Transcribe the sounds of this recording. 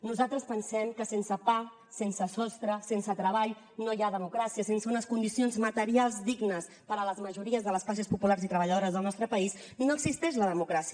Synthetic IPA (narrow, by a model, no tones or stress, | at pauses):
nuzalˠt̪ɾəspənsɛmkəsensəpa | sensəsɔst̪ɾəsensət̪ɾəβaʎ | nojaðəmukɾasiəsensəunəskund̪isionzmət̪əɾialˠzd̪iɡnəs | pəɾələzməʒuɾiəzðələsklasəspupulaɾzit̪ɾəβəʎəð̞oɾəzðəlˠnɔst̪ɾəpəis | ninoəɡzist̪ɛʃləðəmukɾasiə